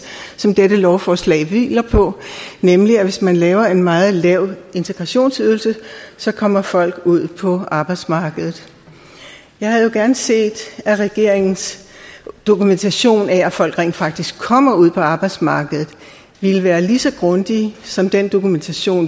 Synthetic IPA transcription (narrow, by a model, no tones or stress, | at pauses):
sɒ̽md̥edəlɒʊfɒːslɛ̰ːɪʋḭːlɐpʰɒ̽nemliæʋe̝smænlɛːʊɐe̝nmɑ̈ːð̩ˠlɛʊ̰e̝nt͡sʰeɡ̥ʁɑ̈ɕo̝̰ːnsyðˠl̩səsɒ̽kʰɒ̽m̰ɐfɒ̽l̰ɡ̥uð̞̰ˠpʰɒ̽ɑ̈ːb̥ɑ̈ɪd̥smɑ̈ːɡ̥əð̩ˠ | jɑ̈ɪhæðjo̝ɡ̥æɐnse̝̰ːd̥æʁɛɡ̥e̝ɐ̰eŋn̩s | d̥o̝kument͡sʰæɕo̝̰ːnææfɒ̽l̰ɡ̥ʁḛːnd̥fɑ̈ɡ̥̚d̥isɡ̥̚kʰːɒ̽m̰ɐuð̞̰ˠpʰɒ̽ɑ̈ːb̥ɑ̈ɪd̥smɑ̈ːɡ̥əð̩ˠ | ʋiləʋæːɐlisɒ̽ɡ̥ʁɔ̽nd̥isɒ̽md̥end̥o̝kument͡sʰæɕo̝̰ːn